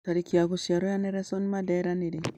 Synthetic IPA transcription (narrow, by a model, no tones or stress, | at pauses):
taɾikiaɡusiaɾojaneɾɛsɔnmadaɾaneɾe